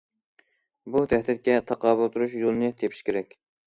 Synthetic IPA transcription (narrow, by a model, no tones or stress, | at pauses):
bud̪ʰɛhd̪ɪt̪̚kʲɛt̪ʰɑqɑːbulˠt̪ʰuɾuʃjolˠɨnɨt̪ʰepʰi̥ʃkʲeɾɛkʲ